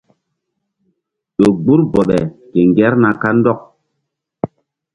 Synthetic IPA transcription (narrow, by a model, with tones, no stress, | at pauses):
ɗo˨ɡ͡bu˦ɾbɔ˨ɓɛ˨ke˨ŋɡɛ˦ɾna˨ka˦n˦dɔ˦˨k̚